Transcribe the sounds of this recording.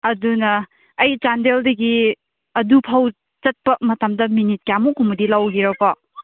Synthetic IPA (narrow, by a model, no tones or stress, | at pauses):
ɐdunɐː | jt͡ʃandeldɐɡi | ɐdupʰaw | t͡ʃɐt̚pɐmɐtɐmdɐminit̚kjamukʰumudilawɡiɾɐkɔ